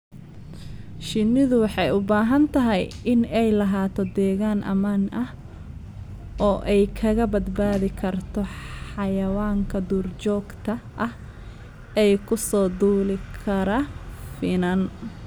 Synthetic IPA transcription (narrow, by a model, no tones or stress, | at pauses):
ʃɪnɪðʊwɑħɑjʊbaːɦɐnt̪ʰɐɦɛjɪnɛjlɐɦaːt̪ʰɔd̪ɛːɣaːnʔɐ̰maːnʔɐh | ʔɔːʔɛjkʰɐɣɐbɐd̪baːðɪkʰɐrt̪ʰɔħɑjɐwaːŋkʰɐd̪uːrt͡ʃɔːɡt̪ʰɐʔɐh | ɛjkʰʊsɔːd̪uːlɪkʰɐɾɐfɪnɐn